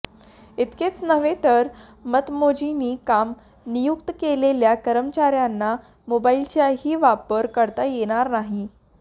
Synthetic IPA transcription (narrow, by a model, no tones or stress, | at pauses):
it̪ket͡snəʋet̪əɾ | mət̪mod͡ʑiniːkam | nijukt̪əkeleljakəɾəmt͡ɕaɾjanːa | mobailt͡ɕjaɦiːʋapəɾkəɾt̪ajeɽ̃aɾnaɦi